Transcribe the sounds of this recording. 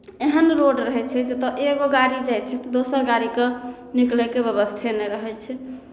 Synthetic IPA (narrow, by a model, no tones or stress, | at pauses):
eɦənɾoɖɾəɦɛt͡ʃʰɛd͡ʒet̪ɔʔeɡoɡaɾid͡ʒajt͡ʃʰɛt̪ɔd̪osəɾɡaɾike | niklekebeβəst̪ʰenɛɾəɦɛt͡ʃʰɛ